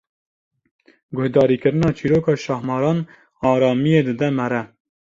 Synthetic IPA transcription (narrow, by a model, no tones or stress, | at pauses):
ɡʊhd̪ɑːɾiːkɨɾɨnɑːt͡ʃʰiːɾoːkɑːʃɑhmɑːɾɑːn | ɑːɾɑːmijeːd̪ɨd̪ɛmɛɾɛ